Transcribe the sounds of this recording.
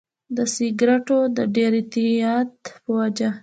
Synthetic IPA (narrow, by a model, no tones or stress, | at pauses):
d̪əsɪɡɾaʈod̪əɖeɾɪt̪iɑt̪pəwad͡ʒa